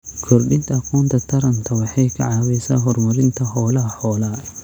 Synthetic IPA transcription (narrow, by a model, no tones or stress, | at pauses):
kʰɔrɗɪnt̪ʰɐɐqɔːnt̪ʰɐt̪ʰɐɾɐnt̪ʰɐwɑħɑjkʰɐ̰ʕɑːwɛsa̰ːɦɔrmɐɾɪnt̪ʰɐhɔːlɐɦɐħɔːlɐ